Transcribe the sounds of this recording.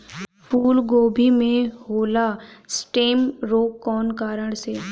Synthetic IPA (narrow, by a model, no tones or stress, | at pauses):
pʰuːlɡoːbʱimẽhoːlasʈeːmɾoːkːɔːnkaːɾəɽ̃seː